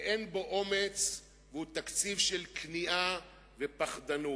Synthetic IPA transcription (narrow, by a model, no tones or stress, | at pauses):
ʔenbo̞ʔo̞met͡s | vehut̪akt͡sivʃelkniʔa | vepaχd̪anu